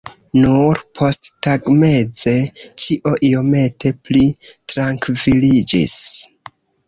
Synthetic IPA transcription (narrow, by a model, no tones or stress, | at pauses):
nuɾpʰo̞sttaɡme̞d͡ze̞t͡ʃiʔo̞ʔio̞me̞tʰe̞plitɾaŋkvilid͡ʒḭs